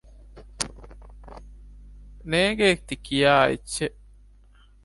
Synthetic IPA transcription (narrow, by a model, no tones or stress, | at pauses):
neːɡeːk̚t̪ikijaːḛtːʃeʔ